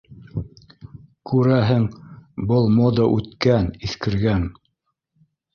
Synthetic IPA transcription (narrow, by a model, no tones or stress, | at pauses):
kʉɾæɦɘŋbɤlˠmod̪əʔʉt̪kæniθkɘ̆ɾɡæn